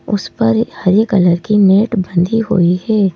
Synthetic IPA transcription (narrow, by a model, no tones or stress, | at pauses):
ʊspɐɾhɐɾjəkɐləɾkineːʈbə̃nd̪ʱiɦo̰ihɛː